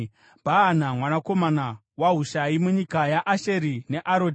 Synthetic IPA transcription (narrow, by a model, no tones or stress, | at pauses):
bʱaːnamwanako̞mana | waɦuʃaimuɲikajaʔaʃe̞ɾine̞ʔaɾod